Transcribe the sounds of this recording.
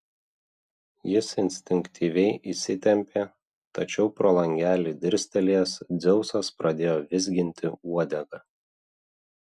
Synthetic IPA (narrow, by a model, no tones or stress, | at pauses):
jɪsɪnʲsʲt̪ʲɪŋʲkt̪ʲiːʋʲɛɪʔisʲɪt̪ʲɛmʲpʲeː | t̪ɐt͡ʃʲɛʊpɾoːlˠɐŋʲɡʲæːlʲiːˑd̪ʲɪɾʲsʲt̪ʲɛlʲiɛsd̪zʲɛʊsɐspɾɐd̪ʲeːjoːʋʲɪzʲɡʲɪnʲt̪ʲɪuɔd̪ʲɛɡɐ